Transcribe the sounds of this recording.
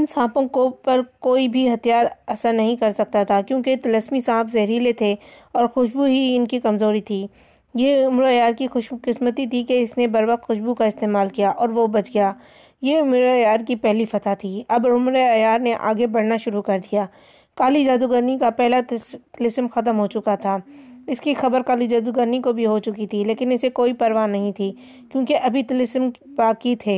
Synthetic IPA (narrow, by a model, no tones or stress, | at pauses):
ɪnsãːpõkopɐɾkoːibʱiɦɐt̪ijaːɾɐsəɾnɐɦĩkɐɾsɐk̚t̪at̪ʰakjõːket̪ləsmisãːpʰzɐɦɾilet̪ʰe | ɔːɾxʊʃbuɦiɪnkikɐmzoːɾit̪ʰiː | jeʊmɾəjaːɾkixʊʃkɪsmət̪it̪ʰikeɪsnebɐɾʋɐxt̪xʊʃbukaɪst̪eːmaːlkijaʔɔːɾʋobɐt͡ʃɡɐjaː | jeʊmɾojaːɾkipɛɦlifɐt̪ʰat̪ʰiɐbʊmɾɐjaːɾneʔa̰ːɡebɐɽ̤naʃʊɾukɐɾd̪ijaː | kaːlid͡ʒaːd̪uɡəɾnikapɛɦlat̪lɪsmxɐt̪̬əmɦot͡ʃʊkat̪ʰaːɪskixɐbəɾkaːlid͡ʒaːd̪uɡəɾnikobʱiɦot͡ʃʊkit̪ʰileːkɪnɪsekoːipɐɾʋaːnɐɦĩt̪ʰi | kjõːkeʔɐbʱit̪lɪsm | baːkit̪ʰeː